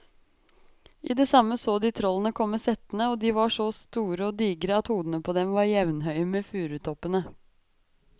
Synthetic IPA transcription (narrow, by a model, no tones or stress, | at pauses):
ʔḭːd̪ɛːsɑmːəsoːd̪iːt̪ʰɾɔlːənəkʰɔmːəsɛt̪ənəoːd̪iːʋɑʂɔst̪uːɾəɔːd̪iːɡɾəɑt̪huːd̪ən̩əpʰɔd̪ɛmʋɑɾjɛʋnɦœʏmeːfʉːɾʉt̪ʰɔpənə